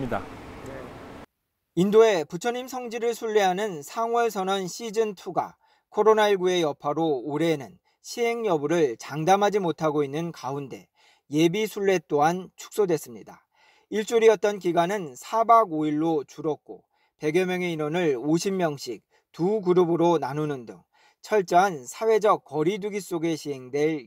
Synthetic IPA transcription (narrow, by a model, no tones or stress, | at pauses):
ida | indoe̞put͡ɕʰʌɲimsʰʌŋd͡ʑiɾɯɭsʰuɭːeɦanɯnsʰaŋwʌɭsʰʌnʌnɕʰid͡ʑɯntʰuɡa̰ | kʰoɾonaiɭɡue̞jʌpʰaɾoːɾe̞nɯn | ɕʰiɦe̞ŋjʌbuɾɯɭt͡ɕaŋdamɦad͡ʑimotʰaɡoinːɯnkaunde̞ | je̞bisʰuɭːe̞t͈oɦant͡ɕʰu̥k̚s͈odwe̞s͈ɯmɲida | iɭt͡ɕ͈uɾiʌt̚t͈ʌnkiɡanɯnsʰabaɡoiɭːot͡ɕuɾʌk̚k͈o̰ | pe̞ɡjʌmjʌŋe̞inwʌnɯɭoɕʰimːjʌŋɕ͈ik̚ | tuɡuɾubɯɾonanunɯndɯ̰ŋ | t͡ɕʰʌɭt͡ɕ͈ʌɦansʰawe̞d͡ʑʌk̚k͈ːʌɾiduɡis͈oɡe̞ɕʰiɦe̞ŋdwe̞ɭ